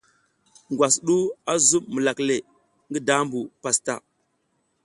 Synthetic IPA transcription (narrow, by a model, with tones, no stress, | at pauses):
ŋɡwa˨sɗu˦a˦zu˦mmə˨la˨kle˨ | ŋɡi˦da˦mbu˨pa˨sta̰˨